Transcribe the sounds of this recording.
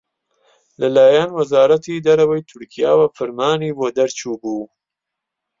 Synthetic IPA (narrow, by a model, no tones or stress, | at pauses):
lɐlaːjanwɐzaːɾɐt̪id̪ɐɾɐwɐjt̪ʰʊɾkʰijaːwɐfɨɾmaːniboːd̪ɐɾt͡ʃuːbuː